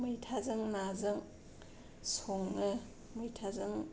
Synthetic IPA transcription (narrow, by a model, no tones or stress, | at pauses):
mɯjtʰazɯŋnazɯŋ | soŋɯ | mɯjtʰazɯŋ